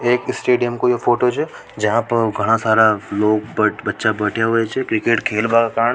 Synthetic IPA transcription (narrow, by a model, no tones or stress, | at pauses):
eːkɪsʈeːɖijəmkojefoːʈot͡ʃʰɛ | d͡ʒɐɦãpɐɾɡʱɐɽ̃asaːɾaloːɡbɐbɐtːʃabɐːʈʰjaɦʊet͡ʃʰɛkɾɪkeːʈkʰeːlbaːkakaːɾəɳ